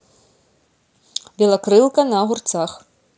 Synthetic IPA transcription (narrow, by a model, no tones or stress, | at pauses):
bʲɛlˠɐkɾɨlˠkɐnɐɣurt̪sax